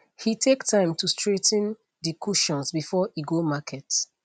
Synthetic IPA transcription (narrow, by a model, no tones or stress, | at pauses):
hitʰektʰãɪ̃mtustɹetn | dikʰuʃɔ̃nsbifɔiɡomakʰɛt